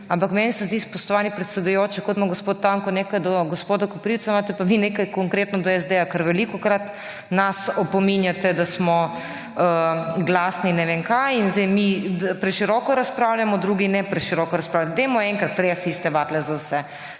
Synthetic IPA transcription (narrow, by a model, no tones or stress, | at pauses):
ampakmɛnisɛzd̪ispɔʃt̪ɔʋaːnipɾɛt̪sɛd̪ujoːt͡ʃɛkɔt̪mɔɡospoːt̪ːaŋkɔneːkajd̪ɔɡospoːd̪akɔpɾiwt̪samaːt̪ɛpaʋineːkajkɔŋkɾeːt̪nɔd̪ɔɛzd̪ɛjakaɾʋɛlikɔkɾat̪ | nasɔpɔminjat̪ɛd̪asmɔ | əɡlasninɛʋeŋkajinzd̪ɛjmipɾɛʃiɾɔkɔɾaspɾawljamɔd̪ɾuːɡinɛpɾɛʃiɾɔkɔɾɐspɾawlad̪ɛmɔɛŋkɾat̪ːɾeasist̪ɛʋat̪lɛzawsɛ